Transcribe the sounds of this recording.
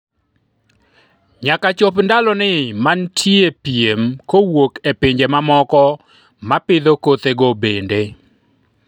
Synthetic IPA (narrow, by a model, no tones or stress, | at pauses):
ɲakat͡ʃopndalɔnɪmantʰjepjemkowokepɪɲd͡ʒemamɔkɔ | mapɪd̪okot̪eɡobende